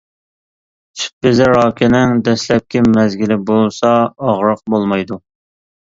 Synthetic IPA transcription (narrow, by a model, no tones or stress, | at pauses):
ʃbɪzɪɾɑːkʲʰɪnɪŋd̪ɛslɛp̚kʲʰɛmɛzɡʲilɪbolˠsɑːʁɾəq̚bolˠmɑjd̪u